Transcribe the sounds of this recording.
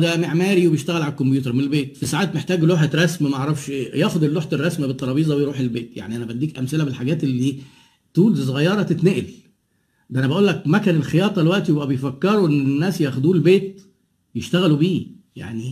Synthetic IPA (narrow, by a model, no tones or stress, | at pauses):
d̪æmeʕmæːɾiwebejeʃt̪æɣælʕalækːombjuːt̪eɾˤmenelbeːt̪fisaʕaːt̪meħt̪æːɡloːħet̪ɾˤɑsmæmæʔɑʕɾˤɑfʃjæːʔxod̪elːoːħet̪erˤːɑsmæbet̪ːɑɾˤɑbiːzˤɑwejɾuːħelbeːt̪ja̰ʕniʔænæbæhænd̪iːkʔæmselæbelħaɡæːt̪elːiː | t̪uːls̬ˤoɣæjːɑɾˤɑt̪et̪neʔel | d̪ʔænæbæʔuːlːæk̚mækænelxejɑːt̪ˤɑlewæʔt̪ijebʔæbejfækːeɾˤoʔenːenːæːsjæxod̪uːlbeːt̪̚ | jeʃt̪æɣælubiːja̰ʕni